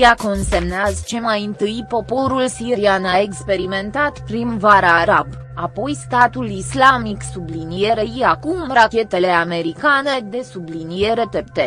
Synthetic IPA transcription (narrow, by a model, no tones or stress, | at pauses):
jakonse̞mneazt͡ʃe̞majɨnt̪ɨjpo̞po̞ɾulsiɾianae̞kspe̞ɾiment̪at̪pɾinvaɾaɾab | apo̞jst̪at̪ulislamiksublinije̞ɾeiakumrakʲe̞t̪e̞le̞ame̞ɾikane̞d̪e̞sublinije̞ɾe̞t̪ept̪e